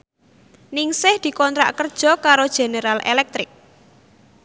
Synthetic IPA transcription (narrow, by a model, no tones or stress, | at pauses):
nɪŋsɪhd̪̥i̤kɔnt̪ɾa̰ʔkərd̥ʒ̥ɔ̤kaɾod̥ʒ̥e̤neɾalḛlɛk̚t̪ɾɪk̚